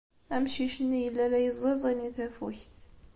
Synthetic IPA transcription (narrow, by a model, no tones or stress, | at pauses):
æmʃiʃənːjəlːælæjəzˤezˤiniθæfuçθ